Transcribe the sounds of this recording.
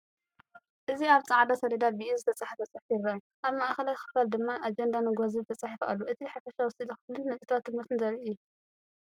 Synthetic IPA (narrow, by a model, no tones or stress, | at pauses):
ʔɨziaβt͡sʼaʕd̪asɐɾid̪abiʔuzɨt̪ʰɐt͡sʼaħfɐt͡sʼɐħfjirːajuʔaβmaʔxɐlajxɨ̥fald̪ɨmːaʔad͡ʒend̪anɐɡʷaziβt̪ʰɐt͡sʼaħfʔalːuʔɨt̪ʰiħafɐʃawɔsid̪ixɨflɨnːɐsʼit̪ʰwat̪ːɨmɨɾt̪ɨnzɐɾiʔɨjːu